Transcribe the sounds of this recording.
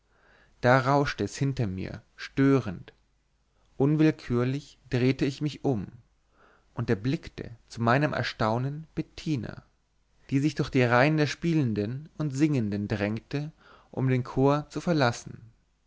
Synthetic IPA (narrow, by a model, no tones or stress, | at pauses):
d̥aːʁaʊʃtəɛshɪntɐmḭːɐʃtøːʁənt | ʔʊnvɪlkʰyːɐlɪç | d̥ʁeːtəɪçmɪçʔʊm | ʔʊntdeːɐblɪktə̰t͡sumaɪnəmʔɛ̰ɐʃtaʊnənb̥ɛtʰiːnɐ̰ | d̥iːzɪçd̥ʊɐxd̥iːʁaɪəndeːɐʃpiːləndənʊntz̥ɪŋəndəndʁɛŋk̚tə | ʔʊ̰mdeːnkʰoːɐt͡sufɛɐlasn̩